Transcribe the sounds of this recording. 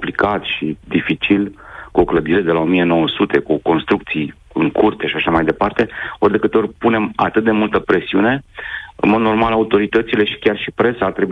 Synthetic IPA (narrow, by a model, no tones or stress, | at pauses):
plikat̪ʃid̪ifit͡ʃilkuo̞kləd̪iɾe̞d̪e̞lao̞mije̞no̞wəsut̪e̞kuko̞nst̪ɾuk̚t̪sij | ɨŋkurt̪eʃaʃamajd̪e̞part̪e̞o̞rʲd̪e̞kɨt̪eo̞ɾʲpune̞ma̰t̪ɨt̪̚d̪e̞mult̪əpɾe̞siune̞ɨ̰nmo̞d̪no̞rmalaut̪o̞ɾit̪ət̪sile̞ʃi̥kʲarʃipɾe̞saːrt̪ɾe̞bu